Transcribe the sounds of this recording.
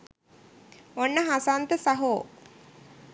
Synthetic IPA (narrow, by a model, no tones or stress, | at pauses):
onːəɦasant̪əsaɦoː